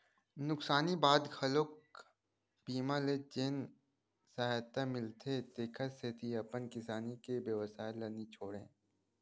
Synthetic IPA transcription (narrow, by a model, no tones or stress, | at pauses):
nʊksaːnibaːd̪xɐlok̚ | biːmãled͡ʒeːn | saɦt̪amɪlt̪ʰet̪eːkʰəset̪ʰiɐpənkɪsaːnikebeʋəsaːɪlːɐnit͡ʃʰoːɽḛ̃ː